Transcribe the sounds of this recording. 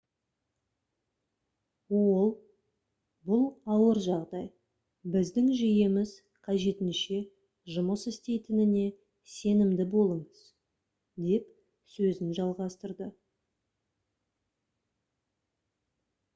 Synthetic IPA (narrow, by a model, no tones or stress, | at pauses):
wolˠ | bʊlˠɑwəɾʒɑʁd̪ɑj | bɪzd̪ɪŋʒijemɪz | qʰɑʒe̞t̪ɪnʃe̞ | ʒʊməsɪst̪e̞jt̪ɪnɪne̞ | se̞nɪmd̪ɪbo̞lˠəɴəz̥ | d̪e̞p | sɵzɪnʒɑlˠʁɑst̪əɾd̪ə